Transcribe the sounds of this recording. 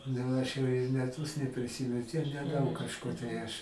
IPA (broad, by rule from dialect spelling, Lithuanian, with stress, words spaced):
ˈnʊ ˈɐʃ jɛʊ ɪ mʲɛˈtʊs nʲɛpʲrʲɪˈsʲiːmʲɛn ˈtʲiɛk nʲɛˈdɐʊk kɐʃˈkʊr tɐɪ ˈɐʃ